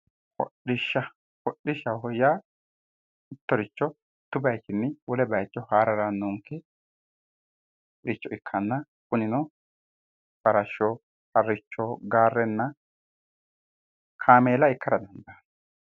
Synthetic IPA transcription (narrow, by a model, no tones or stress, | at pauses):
hɔ̰ɗɪʃːɐ | hɔɗɪʃɐhɔja | ɪt̪ːɔɾɪt͡ʃːɔ | t̪ːʊbɐjt͡ʃɪnːɪwɔlɛbɐjt͡ʃʼːɔhaːɾɐɾɐnːuːŋkːɛ | ɾɪt͡ʃːɔʔɪkʰːɐnːɐ | kʊnɪnɔ | bɐɾɐʃɔ | hɐɾːɪt͡ʃːɔɡaːrːɛnːɐ | kʰaːmeːlɐɪkːɐɾɐd̪ɛnd̪an